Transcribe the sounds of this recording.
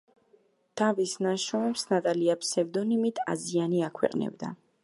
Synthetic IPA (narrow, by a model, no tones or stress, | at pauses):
d̪̥avisnaʃɔmɛpsnat̪ʼaliapʰsɛvd̪ɔnimit̪ʰa̰zianiakʰwɛ̰qʼnɛ̰bd̪a̰